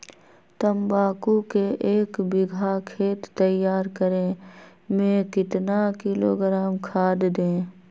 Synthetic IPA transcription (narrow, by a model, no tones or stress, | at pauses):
t̪əmbaːkukeʔeːkbɪɡʱakʰeːt̪ːəjːaːɾkəɾẽmẽkɪt̪nakɪlo̰ːɡɾaːmkʰaːd̪d̪ẽː